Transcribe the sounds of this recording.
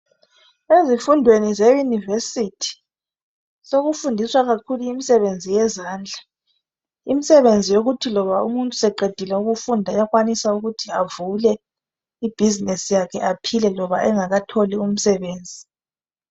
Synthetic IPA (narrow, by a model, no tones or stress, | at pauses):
ezifundʱwenizejunivesitʰi̥ | soɣufundʱiswaɣakʰuluimisɛβend͡zʱijɛzaːnd͡ɮʱa | imisɛβend͡zʱijoɣutʰilɔβaumuntʼusɛǃed̥ʱilɛuɣufundʱajaɣwanisauɣutʰiavulɛ | ib̥ʱizinɛsijakʰɛʔapʰilɛlɔβaʔɛŋaɣatʰolium̩sɛβeːnd͡zʱi